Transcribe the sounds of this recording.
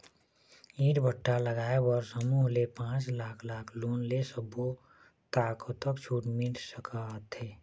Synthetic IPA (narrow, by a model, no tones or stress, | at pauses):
iːɾbʱəʈːaləɡaːebɔɾsəmuːɦlepãːt͡ʃlaːkʰlaːkʰluːnlesəbo | t̪aːkot̪əkt͡ʃʰuːʈmiʈsəkʰat̪eː